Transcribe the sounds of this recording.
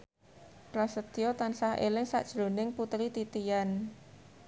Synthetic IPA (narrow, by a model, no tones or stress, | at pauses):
ɾasət̪iot̪ansahʔḛlɪŋsa̰ʔd̥ʒ̥lonɪŋput̪ɾit̪it̪ijan